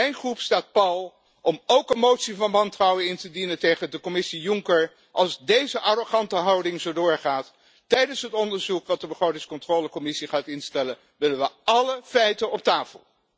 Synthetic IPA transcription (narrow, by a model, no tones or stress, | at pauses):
ɛjnχrupstaːt̚pɑlˠ | ɔmowkənmowtsivɑnʋɑntrɑwənɪntədinətejχəndəkɔmɪsijʊŋkəɹ | ʔɑlˠzdejzəʔɑroχɑntəɦɑwdɪŋzowdʊːɹχaːtː | ɛjdənsɦətɔndəɹzukʋɑt̚dəbəχrowtɪŋskɔntroːləkɔmɪsiχaːtɪnstɛlən | ʋɪlənʋəɑləfɛjtənɔp̚taːfə̰lˠ